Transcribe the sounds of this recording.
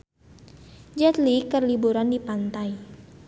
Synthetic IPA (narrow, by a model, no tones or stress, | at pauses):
d͡ʒat̪likərlibuɾandipant̪ai